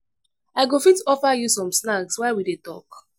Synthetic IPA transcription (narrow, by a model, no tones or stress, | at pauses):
aɪɡofitɔfajusɔ̃msnakswɛwidetɔ̰k